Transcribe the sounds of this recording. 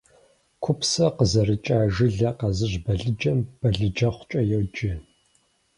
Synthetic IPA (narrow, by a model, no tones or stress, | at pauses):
kʷʰʊpsɐqəzɐrɨt͡ʃʼaːʒɪɮɐqɐzɨʑbɐɮɨd͡ʒɐmb̥ɐɮɨd͡ʒɐχʷt͡ʃʼɐjɛwd͡ʒʼɪ